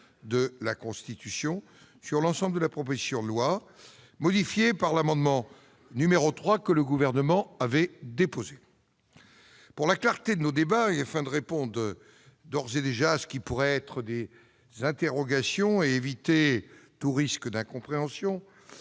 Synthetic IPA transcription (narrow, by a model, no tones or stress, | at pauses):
d̪əlakɔ̃st̪it̪ysjɔ̃ | syʁlɑ̃sɑ̃bld̪əlapχɔpozisjɔ̃lwa | mɔd̪ifjepaʁlamɑ̃d̪mɑ̃ | nymeʁot̪χwakələɡuvɛʁnəmɑ̃avɛd̪epoze | puʁlaklaʁt̪ed̪ənod̪ebaeafɛ̃d̪əʁepɔ̃d̪ʁə | d̪ɔʁzed̪eʒaːsə̥kʲipuʁɛɛt̪χəd̪e | zɛ̃t̪eʁɔɡasjɔ̃eːvit̪et̪uʁiskəd̪ɛ̃kɔ̃pχeɑ̃sjɔ̃